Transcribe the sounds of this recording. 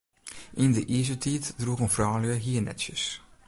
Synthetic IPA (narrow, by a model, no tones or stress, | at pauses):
ʔɪndəʔizətʰiːtdruɣənfrɑːləɦiːənɛ̰tsəs